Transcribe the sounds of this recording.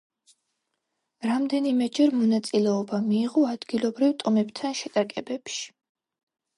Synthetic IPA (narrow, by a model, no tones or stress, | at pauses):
ɾamd̪ɛnimɛd͡ʒɛɾmɔnat̪sʼilɛɔbamiːʁɔad̪ɡilˠɔbɾivt̪ʼɔmɛbt̪ʰanʃɛt̪ʼakʼɛbɛpʃi̥